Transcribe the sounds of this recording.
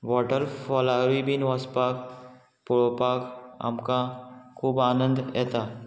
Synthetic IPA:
wɔːʈəɾfɔlaːɾibinʋaspaːk | pʊɭoːpaːkɐ̰mkakʰuːbaːnə̃nd̪ɛ̰ːt̪aː

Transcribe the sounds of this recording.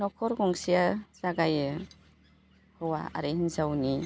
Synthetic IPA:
nɔkʰɔɾɡɔŋsijaz̥aɡajɯ | hɯwa̰a̰ɾehnzawni

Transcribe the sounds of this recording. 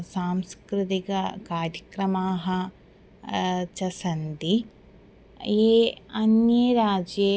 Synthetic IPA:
saːmskɾɪt̪ikɐkaːɾjɐkɾɐmaːɦɐ̆ | t͡ʃɐsɐnd̪i | jeːɐnjeɾaːd͡ʒje

